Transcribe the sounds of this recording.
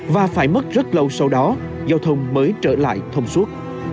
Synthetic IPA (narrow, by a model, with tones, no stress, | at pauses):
vaː˨˩faː˧˩jmə˦˥t̚zə˦˥t̚lə˧wsa˧wɗɔ˨˦ | zaː˧wt̪ʰə˧wŋ͡mməː˨˦jt͡ɕəː˧˩la̰ː˧˨jt̪ʰə˧wŋ͡mswu˦˥ət̚